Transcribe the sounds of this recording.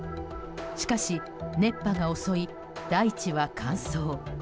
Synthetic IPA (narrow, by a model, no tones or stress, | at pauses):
ɕi̥kaɕi | ne̞pːaɡao̞so̞i | d̪̥ait͡ɕiβakʰãɰ̃soː